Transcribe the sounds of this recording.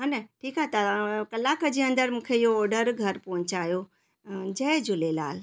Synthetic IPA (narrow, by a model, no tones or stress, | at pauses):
ɦɐnəʈʰiːkaɦet̪ɐkɐlaːkəd͡ʑiːɐ̃nd̪əɾmũːkʰeɪɦoɔːɾɖəɾɡʱɐɾpɐɦʊ̃ɲt͡ɕaːjo | d͡ʑɐd͡ʑʱʊlela̰ːl